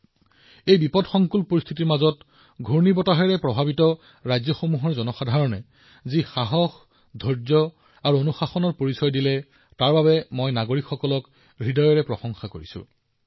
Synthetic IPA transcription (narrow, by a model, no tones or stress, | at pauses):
ejbipɔdxɔŋkulpoɹist̪ʰitiɹmazɔt | ɡʱuɹnibɔtaɦɛɹɛpɹɔbʱabitɔ | ɹajzɔxomuɦɔɹzɔnɔxadʱaɹɔnɛ̰ | zixaɦɔx | dʱɔɹzɔ | aɹuonuxaxɔnɔɹpoɹisɔjdilɛ | taɹbabɛmojnaɡoɹikxɔkɔlɔk | ɹidɔjɔɹɛpɹɔxɔŋxakoɹisʊ̰̃